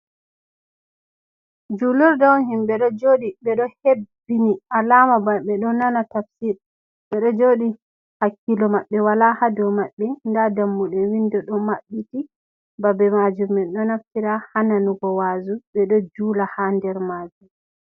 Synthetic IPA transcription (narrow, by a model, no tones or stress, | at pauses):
d͡ʒuluɾdɔwɦimɓɛɗɔd͡ʒoːɗiɓɛɗɔhebːinialamabaɓɛɗɔnanatafsiɾ | ɓɛɗɔd͡ʒoːɗi | hakːilɔmaɓːɛwalahadɔwmaɓːɛndadamːuɗɛwindɔɗɔmaɓːiti | babɛmad͡ʒumːɛnɗɔnaftiɾahananuɡɔwaːzuɓɛɗɔd͡ʒuːlahandɛɾmaːd͡ʒum